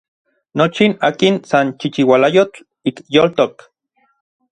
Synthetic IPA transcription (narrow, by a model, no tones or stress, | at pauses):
not͡ʃinaːkinsant͡ʃit͡ʃiwalajot͡ɬ | ikjolt̪ok